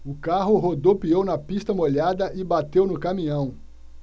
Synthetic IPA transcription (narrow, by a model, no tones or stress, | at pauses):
ʊkaɦʊɦod̪owpiownɐpist̪ɐmoʎad̪ɐʔɪbat̪ewnʊkamĩɐ̃w̃